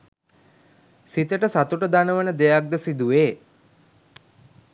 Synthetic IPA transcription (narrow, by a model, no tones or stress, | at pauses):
sit̪əʈəsat̪uʈəd̪anəʋənəd̪ejak̚d̪əsid̪uʋeː